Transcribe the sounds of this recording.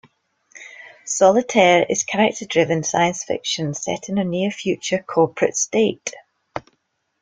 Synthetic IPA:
sɔlˠɪtʰɛɹɪ̰z̥kʰəɹɛk̚tʰədɹɪvə̃nsa̰ɪə̃nsfɪ̰kʃə̃nsɛ̰ʔɪ̃nənjʉəfjʉt͡ʃə˞kʰɔɹpʰɹ̥ə̰tsteʔ

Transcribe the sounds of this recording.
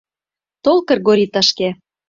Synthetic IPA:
t̪olkɤ̆rɣoɾʲit̪ə̆ʃke

